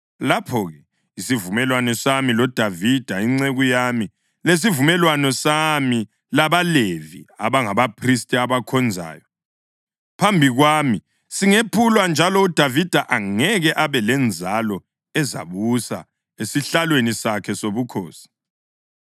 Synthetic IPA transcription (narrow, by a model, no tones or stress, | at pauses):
lapʰɔɣɛ | isivumɛlwanɔsamilɔd̥ʱavid̥ʱaiŋ͡ǀeɣujami | les̬ivumɛlwanɔsami | laβalevḭa̰βaŋaβapʰristʼiaβakʰɔnd͡zʱa̰ːjɔ | pʰambʱiɣwaːmi | siŋepʰulwand͡ʒʱalɔud̥ʱavid̥ʱaʔaŋɛɣɛʔaβɛlɛnd͡zʱalɔ | ɛza̰βusa̰ | esiɬalwenisakʰɛsoβukʰoːsi̥